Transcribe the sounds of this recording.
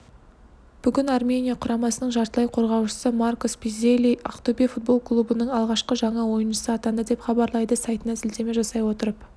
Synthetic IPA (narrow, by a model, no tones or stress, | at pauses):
b̥ʏɡʲɪnarmʲe̞nʲijaqʰʊɾɑmɑsənəɴʒɑɾt̪əlˠɑjqʰo̞ɾʁɑwʃə̥səmarkospizelʲija̰qt̪obʲifut̪̚bo̞lˠklˠubənəɴɑlˠʁɑʃqəʒɑɴɑwo̞jənʃəsəɑt̪ɑnd̪əd̪e̞pχɑbɑɾlˠɑjd̪əsɑjt̪ənɑzɪlt̪e̞me̞ʒɑsɑjwo̞t̪əɾəp